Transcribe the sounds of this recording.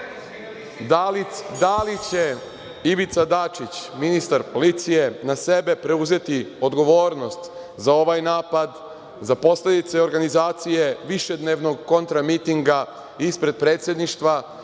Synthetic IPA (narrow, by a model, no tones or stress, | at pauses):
ald̪alit͡ɕe̞ | iʋit̪sad̪at͡ʃit͡ɕminist̪aɾpo̞lit̪sije̞nase̞be̞pɾe̞uze̞t̪io̞d̪ɡo̞ʋo̞ːɾno̞st̪ | zao̞ʋajnaːpad̪ | zapo̞slʲe̞d̪it̪se̞o̞ɾɡanizaːt̪sijeʋiʃe̞d̪neːʋno̞ɡko̞nt̪ɾamit̪iŋɡa | ispɾe̞d̪̚pɾe̞ːt̪sje̞d̪niʃt̪ʋa